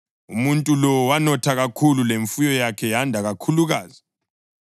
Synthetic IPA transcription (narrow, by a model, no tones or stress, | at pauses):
umuntʼulɔwanɔtʰaɣakʰululeɱfujɔjakʰɛjandʱaɣakʰuluɣaːzi